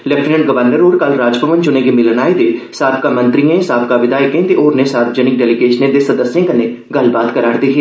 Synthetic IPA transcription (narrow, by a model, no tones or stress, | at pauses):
lɛpʰnə̃ɳʈ̚ɡəʋəɾnəɾoːɾkɐlɾaːd͡ʒpəʋənt͡ʃʊnekemɪlənaːed̪esaːb̚kamɐ̃nt̪ɾijẽɦɪsaːb̚kaʋɪd̪aːɪkẽt̪eʔoːɾnesaːɾbd͡ʒənɪk̚ɖɛːlɪɡeːʃnẽd̪esɐd̪əsjẽkɐnːe | ɡɐlbaːd̪kɐɾaːɾd̪iɦeː